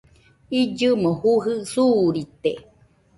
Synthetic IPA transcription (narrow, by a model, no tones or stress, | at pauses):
id͡ʒɨmohuɦɨsuːɾit̪e